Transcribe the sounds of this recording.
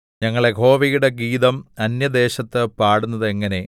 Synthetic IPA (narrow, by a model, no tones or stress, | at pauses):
ɲɐŋːɐɭeɡʱo̞ːʋijuɽe̞ɡiːðɐmɐnjɐd̪e̞ːɕɐt̪ːɨpaːɽunːɐðɨeŋːɐne̞